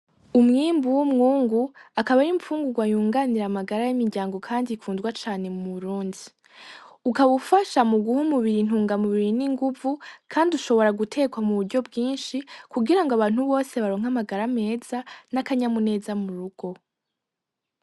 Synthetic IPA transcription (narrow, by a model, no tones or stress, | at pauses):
umŋiːmbuwumŋuːŋɡuakaβaɾimfuːŋɡuɡwajuːŋɡaniɾamaɡaɾajimiɾɟaːŋɡo̞kʰaːndiifuːnzɡwat͡ʃaːne̞muuβuɾuːndi | ukaβufaʃamuɡuhumuβiɾin̥uːŋɡamuβiɾiniŋɡuvukʰaːndiuʃo̞βo̞ɾaɡutʰe̞ːkwamuβuɾɟo̞bɡiːnʃikuɡiɾaŋɡoaβaːn̥huβo̞ːse̞βaɾo̞ːŋ̥amaɡaɾame̞ːz̥anakaɲamune̞ːzamuɾuɡ̥o̞